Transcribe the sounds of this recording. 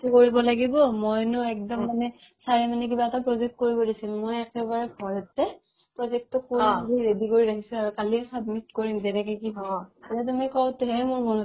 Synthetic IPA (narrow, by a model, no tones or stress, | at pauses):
tukoɹibɔlaɡibɔmojnʊɛk̚dɔmːanɛ | saɹɛmanɛk̬ibatapɹɔzɛk̚t̚koɹibɔdisilmojɛkɛbaɹɛɡʰʱɔɔtːɛ | pɹɔzɛk̚tʊkːoiɹedikoɹiɾakʰisʊ̃aɹukalisab̚mitkoɹimzɛnɛkɔkibɔiatumikɔʊtɦɛmʊɹmɔn